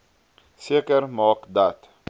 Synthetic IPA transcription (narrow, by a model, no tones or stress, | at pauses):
seːkəɾmɑːkd̪at̪